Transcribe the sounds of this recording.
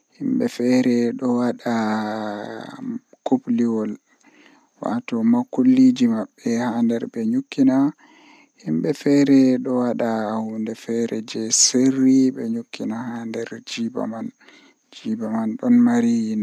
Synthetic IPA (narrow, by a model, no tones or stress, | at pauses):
himbɛfɛɾɛɗɔwaɗa | kopliwɔl | wa̰tɔmakːulːid͡ʒimaɓːɛhandɛɾbɛɲukːina | himbɛfɛɾɛɗɔwaɗahundɛfɛɾɛd͡ʒɛserːiɓɛɲukːinahandɛɾd͡ʒiba̰man | d͡ʒibamanɗɔnmaɾin